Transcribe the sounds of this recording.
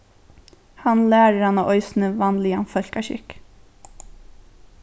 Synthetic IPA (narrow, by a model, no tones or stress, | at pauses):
hɑnlæːɾəɾhɑnaːʔɔʏsn̩əʋɑːnlɪɑnfœl̥kaʃɪ̰k